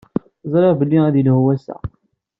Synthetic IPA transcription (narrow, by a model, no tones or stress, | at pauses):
zˤɾˤeʁbəlːiæðilhwæsæ̰